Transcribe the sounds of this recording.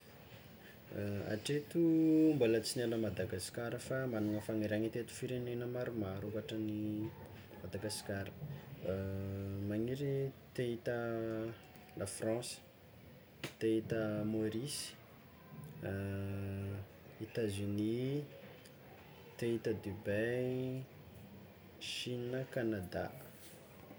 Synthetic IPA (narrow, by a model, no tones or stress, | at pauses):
a̰ʈ͡ʂet̪uumbolət͡sinaləmad̪aɡaskaɾəfamanuŋəfaŋeɾaŋit̪et̪u̥fiɾenenəmaɾumaɾuvaʈ͡ʂəni | mad̪aɡaskaɾə̥ | maŋiɾit̪eit̪ə | lʔafrɑ̃sə̥ | t̪eit̪əmoɾisi̥ | it̪azyni | t̪eit̪əd̪ibe | ʃinəkanad̪a̰